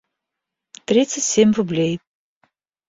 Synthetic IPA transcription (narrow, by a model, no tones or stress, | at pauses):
trit̪sɨtʲsʲemʲrublʲej